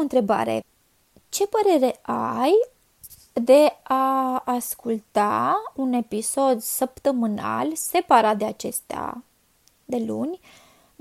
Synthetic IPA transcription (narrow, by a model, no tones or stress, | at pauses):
ɨnt̪ɾe̞ba̰ɾe̞̰ | t͡ʃe̞pəɾe̞ɾe̞ʔaj | d̪e̞aːskult̪aune̞piso̞d̪səpt̪əmɨna̰lse̞paɾat̪̚d̪eat͡ʃe̞st̪ea̰ | d̪e̞lunʲ